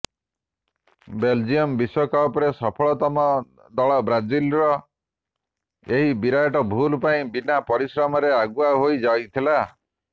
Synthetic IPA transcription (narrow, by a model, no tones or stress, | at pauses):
beld͡ʒiɔmbiswɔkaɔpɔɾesɔpʰɔɭɔt̪ɔmɔ | d̪ɔɭɔbɾad͡ʒilɾɔ | eɦibiɾajɔʈɔbʱulpaĩbinapɔɾisɾamɔɾeaɡuaɦojd͡ʒajt̪ʰila